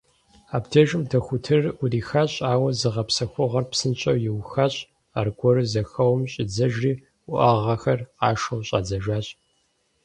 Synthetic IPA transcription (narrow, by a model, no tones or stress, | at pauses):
aːptʰɐʒɨmtʰɐxʷʊtʰɨrʊriːxaːɕʼaːwɐzɨʁɐpsɐxʷʊʁɐrpsɨnt͡ʃʼɐwjɪwxaːɕʼ | a̰rɡʷɔɾɨzɐxɐwmɕʼɪd͡zɐʒriː | ʊʔɐʁɐxɐraːʃɐwɕʼa̰ːd͡zɐʒaːɕʼ